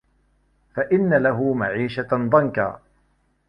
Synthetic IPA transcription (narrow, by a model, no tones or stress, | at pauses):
faʔɪnːalaɦʊmaʕiːʃad̪ˤɑnka̰ː